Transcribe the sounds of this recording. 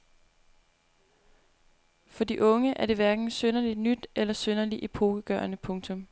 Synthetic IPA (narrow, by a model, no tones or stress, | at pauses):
fɒ̽d̥iʔɔ̽ŋəʔæɐde̝ʋæɐɡ̥n̩sønɐlid̥nyd̥elɐsønɐliʔipʰo̝ːɡ̥əɡ̥ɶɐnəpʰɔ̽ŋt͡sʰɔ̽m